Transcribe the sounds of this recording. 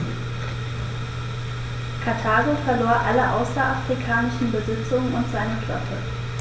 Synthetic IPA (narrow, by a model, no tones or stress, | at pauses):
kʰaɐtʰaːɡofɛɐloːɐʔaləʔa̰ʊsɐʔafʁ̥ikʰaːnɪʃn̩bəzɪt͡sʊŋənʊntz̥aɪnəkʰlœ̰pʰə